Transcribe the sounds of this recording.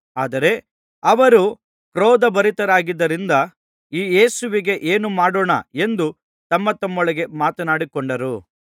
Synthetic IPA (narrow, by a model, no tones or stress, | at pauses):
aːd̪ɐɾe̞ | ɐʋɐɾu | kɾoːd̪ɐbɐɾit̪ɐɾaːɡid̪ːɐɾind̪ɐ | iːje̞ːsuʋiɡe̞ʔeːnumaːɽoːɳɐ̰e̞nd̪u | t̪ɐmːɐt̪ɐmːɔɭɐɡe̞maːt̪ɐnaːɽikɔɳɖɐɾu